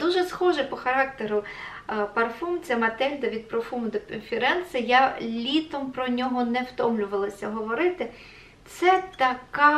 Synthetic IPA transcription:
d̪uʒɛsxɔʒɛpɔxɐɾɑk̚t̪eɾʊ | pɐrfumt͡sʲɐmɐt̪ɛlʲd̪ɐʋʲid̪̚pɾɔfumd̪ɔkɔnfʲiɾɛnsɐjalʲit̪ɔmpɾɔnʲɔɦɔnɛwt̪ɔmlʲʊʋɐlˠɐsʲɐɦɔʋɔɾɪt̪ɪ | t̪sɛt̪ɐkɑ

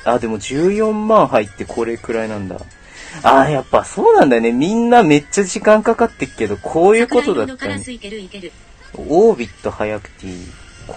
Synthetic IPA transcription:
ad̪e̞mo̞ʑɨːjõ̞mːãɰ̃ɦait̪ːe̞kʰo̞ɾe̞kɯ̟ɾainãnd̪a̰ | ajapːaso̞ːnãnd̪ajone̞mʲĩnːame̞t͡ɕːaʑikãŋkakat̪ːe̞kɯ̟̥ke̞d̪okʰo̞ːjɯ̟ːko̞t̪o̞d̪at̪ːaɲi | oːbʲit̪ːo̞hajakɯ̟̥t̪ḭ | k

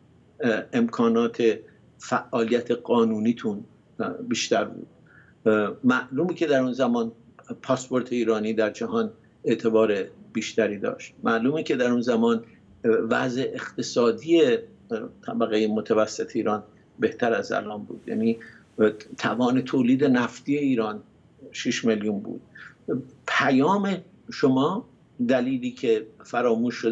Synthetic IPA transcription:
emkʰɒːnɒːt̪ʰe̞ | fæʔɒːlijæt̪ʰeɢɒːnuːniːt̪ʰun | biːʃt̪æɾbṵːd̪̥̚ | mæʔluːmiːcʰe̞d̪æɾunzæmɒːn | pʰɒːspo̞ɾt̪ʰe̞iːɾɒːniːd̪æɾd͡ʒæhɒːn | e̞ʔt̪ʰe̞bɒːɾeb̥iːʃt̪æɾiːd̪ɒ̰ːʃt̪̚mæʔluːmiːcʰe̞d̪æɾunzæmɒːn | væ̰zeʔeχt̪ʰesɒːd̪ije | t̪ʰæbæɣejemot̪ʰævæsːe̞t̪ʰeiːɾɒːn | be̞ht̪ʰæɾæzæ̰lʔɒːnbṵːd̪̥jæ̰ːniː | t̪ʰævɒːne̞t̪ʰoːliːd̪enæft̪iːe̞iːɾɒːn | ʃiʃmeljunbṵːd̪̥̚ | pʰæjɒːme̞ | ʃomɒː | d̪æliːliːkʰe̞fæɾɒːmuːʃːo

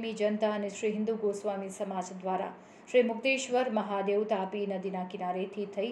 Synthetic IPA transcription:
mid͡ʒɐnt̪aːneʃɾiːɦind̪uɡoːsʋaːmisɐmaːd͡ʒɐd̪ʋaːɾa̰ | ʃɾiːmuɡ̚d̪eːʃʋɐɾmɐɦaːd̪eːwt̪aːpinɐd̪inaːkinaːɾeːt̪ʰiːt̪ʰɐj

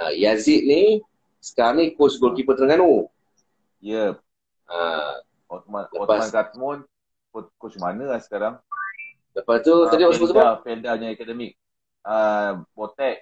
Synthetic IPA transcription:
a̰jaziʔ̪̚ni | sə̥kaɾaŋnikot͡ʃɡolkipət̪nəŋano | jə | a̰ | ɔt̪manləɔpasankat̪̚mʊn | kot̪̚kot͡ʃmanəasə̥kaɾaŋ | ləpast̪ut̪adiɔsəkusəapɛldaɲaɛkadəmik̚ | abot̪ɛʔ̚

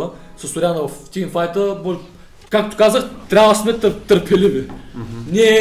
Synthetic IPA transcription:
əsɐsoɾʲanəvɐft̪ʲinfajt̪əbɔ | kakt̪o̥kazəxt̪ɾʲabvəsmɛt̪t̪əɾpɛlivinʲiɛ

